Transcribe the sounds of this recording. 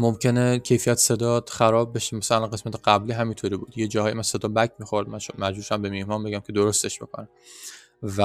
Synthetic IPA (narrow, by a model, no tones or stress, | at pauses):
momcʰe̞necʰe̞jfijæt̪ʰse̞d̪ɒːd̪xæɾɒːb̚ːe̞ʃemæsæælænɡe̞smæt̪ʰeɢæbliːɦæmint̪ʰoɾiːbuːd̪jed͡ʒɒːhɒːjimænse̞d̪ɒːbækʰmiːxoɾd̪mænʃmæd͡ʒbuːʃæmbe̞mihmɒːmbe̞ɡæmcʰe̞d̪oɾost̪e̞ʃb̥e̞̰kʰo̰næm | væ